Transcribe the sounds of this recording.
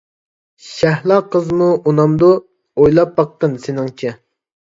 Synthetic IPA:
ʃæhlˠɑqəzmuʔunɑmd̪u | ojlˠɑp̚bɑqːənsenɪŋt͡ʃʰɛ

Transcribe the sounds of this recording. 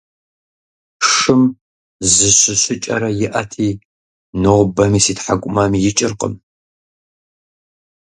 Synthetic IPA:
ʂɨm | zɨɕʷɨɕʷɨt͡ʃʼɐ̰ɾɐjɪʔɐtʰiː | noʁbɐmiːsiːtħakʷʼʊmɐmjɪt͡ʃʼɪrqʼə̰m

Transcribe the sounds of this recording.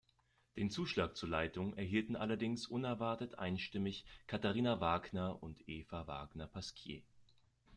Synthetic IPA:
d̥eːnt͡suːʃlaːk̚t͡suːɐlaɪtʊŋɛɐɦiːltn̩ʔalɐdɪŋsʔʊnɛɐvaɐtətʔa̰ɪnʃtɪmɪçkʰataʁiːnavaːɡnɐʔʊntʔeːfava̰ːɡnɐpʰaskʰjḛː

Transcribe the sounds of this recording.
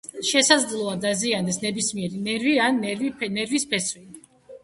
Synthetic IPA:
ʃɛsad̪zd̪lˠɔad̪aziand̪ɛsnɛbismiɛɾinɛɾviannɛɾvispʰɛswi

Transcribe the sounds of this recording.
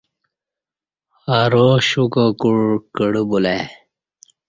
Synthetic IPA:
aɾoɕukokuɻkəɽubule

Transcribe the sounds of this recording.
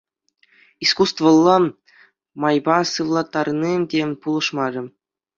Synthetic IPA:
iskust̪vɤ̆lˠːɤ | mɑjbɑsɯʋlˠɑt̪ːɑrnʲimdʲepulˠɤ̆ʂmɑɾʲɤ̆

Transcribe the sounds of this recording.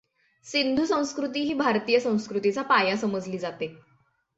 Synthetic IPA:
sind̪ʱusə̃w̃skɾut̪̬iːɦiːbʱaɾt̪iːjəsə̃w̃skɾut̪it͡sapajasəməd͡zliːd͡zat̪e

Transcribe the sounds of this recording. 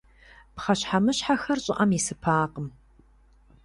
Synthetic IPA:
pχɐɕħamɨɕħaxɐrɕʼɪʔɐmisɨpʰaːqəm

